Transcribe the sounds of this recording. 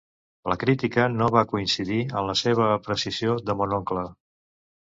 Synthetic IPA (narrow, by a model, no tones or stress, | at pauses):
ləkɾit̪ikənoβakuinsiðiəmləseβ̞əːpɾəsizioðəmonoŋklə